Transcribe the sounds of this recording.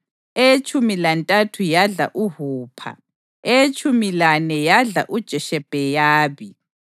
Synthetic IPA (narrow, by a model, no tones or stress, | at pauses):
et͡ʃʰʼumilantʼatʰujaɮa̰ʔuhuːpʰa̰ | et͡ʃʼʰumilanɛjaɮa̰ʔud̥ʒ̥ʱɛʃɛb̥ʱɛjaːβi